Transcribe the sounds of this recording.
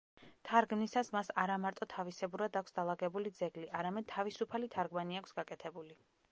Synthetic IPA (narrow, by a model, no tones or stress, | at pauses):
t̪ʰaɾɡmnisasmasaɾamaɾt̪ʼɔt̪ʰavisɛbuɾad̪akʰʷsd̪alˠaɡɛbulid̪zɛɡliʔaɾamɛd̪̚t̪ʰavisupʰalit̪ʰaɾɡmaniakʰsɡakʼɛt̪ʰɛbuli